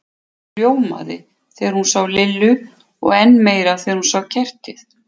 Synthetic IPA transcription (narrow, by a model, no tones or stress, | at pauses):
joːwma̰ðɪ̰ | θɛːɾhunsawlɪlːʏ | ɔ̰ɣɛnːmeːjɾaθɛːɾhunsaːwcʰɛr̥t̪ɪθ